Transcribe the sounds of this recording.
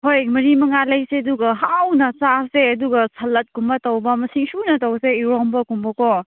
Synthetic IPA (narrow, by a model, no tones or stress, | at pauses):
hojmɐɾimɐŋalɐjseɐduɡɐɦawnɐsaseɐduɡɐsʰɐlːɐt̚kumbɐtɐwbɐmɐsiŋsunɐtɐwseiɾombɐkumbɐko